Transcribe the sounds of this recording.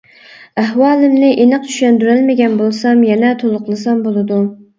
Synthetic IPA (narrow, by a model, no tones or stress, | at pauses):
æɦwɑːlˠɪmnɪʔenɨq̚t͡ʃʰy̥ʃɛnd̪yɾælmɪɡʲɛnbolˠsɑmjɛnɛt̪ʰolˠʊqlˠɨsɑmbolˠɨd̪u